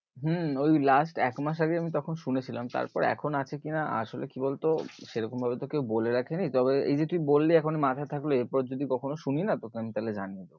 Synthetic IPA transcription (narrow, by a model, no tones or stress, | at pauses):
ɦm̩ojlasʈɛkmaʃ̬aɡeamit̪ɔkʰonʃunet͡ɕʰilamt̪a̰ɾpɔ̰ɾɛ̰kʰonat͡ɕʰekinaa̰ʃolḛkibolt̪oʃeɾɔkombʱabet̪okewboleɾakʰenit̪ɔbeḛjd͡ʑet̪umibolːiɛkʰonimat̪ʰat̪ʰakloeɾpɔɾd͡ʑod̪ikɔkʰonoʃuninat̪okeamit̪aled͡ʑanijed̪eo